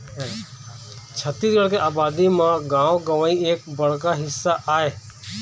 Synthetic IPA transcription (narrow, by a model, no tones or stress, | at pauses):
ɦ | t͡ʃʰət̪isɡəɽkeʔaːbaːd̪imãɡãːʋoɡəʋãːĩeːk̚bəɽ̤kaɦɪsːaʔaːeː